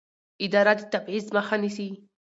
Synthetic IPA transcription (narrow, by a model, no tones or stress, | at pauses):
ɪd̪aɾat̪i̥t̪abʕizmaxanisi